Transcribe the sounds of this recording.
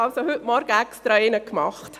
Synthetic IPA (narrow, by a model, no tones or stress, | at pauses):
ɑlsohʏtmɔɾɡ̥əɛkstɾɑɪnəkmɑχt